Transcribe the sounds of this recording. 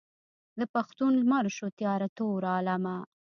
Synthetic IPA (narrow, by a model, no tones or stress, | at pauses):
d̪əpaxt̪unlmaɾʃot̪jɑɾat̪oɾɑːlama